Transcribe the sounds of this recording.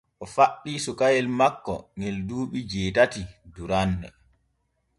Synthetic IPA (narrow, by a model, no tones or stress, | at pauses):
ʔɔfaɗːiːsukajɛlmakːɔ̰ŋelduːɓid͡ʒɛːtatiduɾanːɛ̰